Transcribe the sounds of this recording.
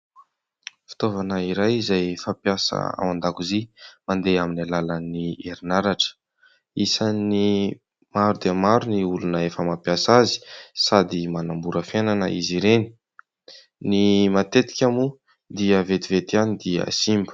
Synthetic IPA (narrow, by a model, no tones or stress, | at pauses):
fi̥t̪ovanəiɾajizajfapjasə̰a̰wand̪akuzimand̪eaminalalənieɾinaɾaʈ͡ʂə̥ | isani | maɾud̪eamaɾuniulunəefəmapjasazi̥sad̪imanambuɾəfenanə̰iziɾeni̥ | nimat̪et̪i̥kʲamu | d̪iəvet̪ivet̪ianid̪iə̰simbu̥